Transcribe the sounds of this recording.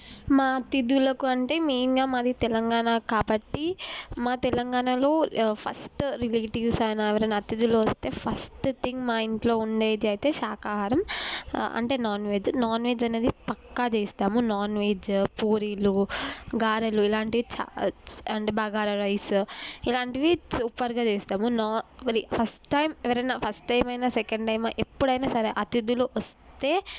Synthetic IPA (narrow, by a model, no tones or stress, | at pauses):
maːt̪id̪ulɐkuɐɳʈe̞ːmiːiŋɡaːmaːd̪it̪ɛlɐŋɡaːnaːkaːbɐʈːimaːt̪ɛlɐŋɡaːɳalo̞ːpʰɐ̰sʈɾileːʈiʋsɐjnaːʋɐɾɐnɐt̪ːid̪uloːʋɐst̪e̞ːpʰɐsʈt̪ʰiŋɡmaːiɳʈlo̞ːuɳɖeːd̪iɐjt̪e̞ːʃaːkaːɦaːɾɐm | ɐ̰ɳʈe̞ːnaːnʋe̞ːd͡ʒnaːnʋe̞ːd͡ʒɐne̞ːd̪ipɐkːat͡ʃeːst̪aːmunaːnʋeːd͡ʒpuːɾiluɡaːɾɐluilaːɳʈiʋit͡ʃa̰ɐɳʈebaːɡaːɾɐɾɐjsilaːɳʈiʋisuːpːɐɾɡaːt͡ʃeːst̪aːmunaːʋɐɾipʰɐsʈʈɐjmɛʋɐɾɐnapʰɐsʈːɐjmɐjnasɛkɐɳɖʈɐjmaʔepːuɽɐjnaːsɐɾeʔɐt̪id̪uluʋɐst̪e̞ː